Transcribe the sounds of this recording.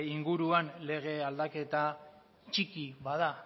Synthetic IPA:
iŋɡuɾuanle̞ɣ̞e̞ald̪ake̞t̪a | t͡ʃikiβaða

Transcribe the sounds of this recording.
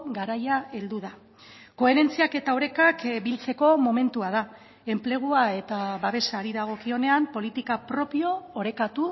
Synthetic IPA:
ɡaɾajae̞ld̪uð̞a | ko̞e̞ɾe̞nt͡siake̞t̪aoɾe̞kakbilt͡se̞ko̞mo̞me̞nt̪uað̞a | e̞mple̞ɣ̞uae̞t̪aβaβe̞saːɾiðaɣ̞o̞kio̞ne̞ampo̞lit̪ikapɾo̞pio̞ːɾe̞kat̪u

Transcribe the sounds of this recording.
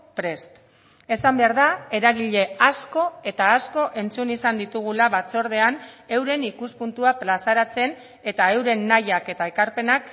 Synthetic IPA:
pɾe̞st̪ | e̞sambe̞aɾðae̞ɾaɣiʎe̞asko̞e̞t̪aːsko̞ʔe̞nt͡sunisand̪it̪uɣ̞ulaβat͡so̞ɾð̞e̞ane̞wɾe̞nikuspunt̪uaplasaɾat͡se̞n | e̞t̪ae̞wɾe̞nːajake̞t̪ae̞kaɾpe̞nak

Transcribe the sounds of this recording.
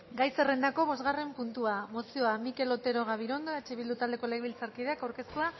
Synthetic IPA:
ɡajse̞re̞nd̪ako̞β̞o̞zɣare̞mpunt̪uamo̞sio̞amike̞lo̞t̪e̞ɾo̞ɣaβiɾo̞nd̪oat͡ʃeβild̪ut̪ald̪e̞koleɣilt͡saɾkiðeakawɾke̞st̪ua

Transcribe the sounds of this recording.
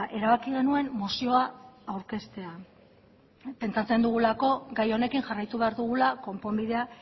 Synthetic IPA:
ʔe̞ɾaβ̞akienue̞mmosio̞aawɾke̞st̪e̞a | pe̞nt͡sat͡se̞nd̪uɣulako̞ɡajo̞ne̞kiŋʝarajt̪uβe̞aɾðuɣ̞ulako̞mpo̞mbiðe̞a

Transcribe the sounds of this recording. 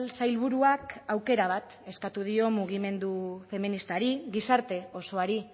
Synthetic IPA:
lsajlβuɾuakawke̞ɾaβ̞at̪e̞skat̪uð̞io̞muɣime̞nd̪ufe̞minist̪aɾiɣisaɾt̪e̞o̞so̞aɾi

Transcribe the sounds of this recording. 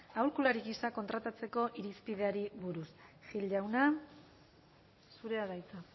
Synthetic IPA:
awlkulaɾiɣisako̞nt̪ɾat̪at͡se̞ko̞ʔiɾispið̞e̞aɾiβuɾusxiʎɟawna | suɾe̞aðajt͡sa

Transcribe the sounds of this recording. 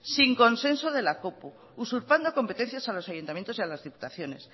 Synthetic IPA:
siŋko̞nse̞nsoð̞e̞lakopu | usuɾpand̪o̞ko̞mpe̞t̪e̞n̟θjasalo̞sajunt̪amjent̪oialazðipu̥t̪aθjo̞ne̞s

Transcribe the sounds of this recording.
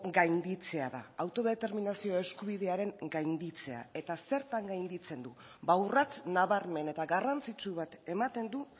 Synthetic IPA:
ɡajnd̪it͡se̞aða̰awt̪o̞ð̞e̞t̪e̞ɾminasio̞e̞skuβ̞iðe̞aɾe̞ŋɡajnd̪it͡se̞a̰e̞t̪ase̞ɾt̪aŋɡajnd̪it͡se̞nd̪u | bawrat͡snaβaɾme̞ne̞t̪aɣarant͡sit͡ʃuβat̪e̞mat̪e̞nd̪u

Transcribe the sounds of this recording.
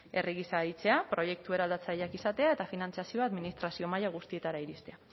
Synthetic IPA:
e̞riɣisait͡se̞apɾo̞je̞k̚t̪ue̞ɾald̪at͡saʎeakisat̪e̞ae̞t̪afinant͡siasio̞aðminist̪ɾasio̞majaɣust̪ie̞t̪aɾaiɾist̪e̞a

